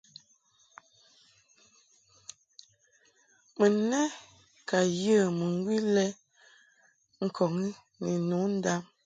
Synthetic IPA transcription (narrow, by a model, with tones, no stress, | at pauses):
mə˨nɛ˦ | ka˨jə˦˨mə˨ŋ˦ɡwi˦lɛ˦ | ŋ̩˦kʰɔ˨ŋi˦ | ni˨no˨˦n̩˦da˦m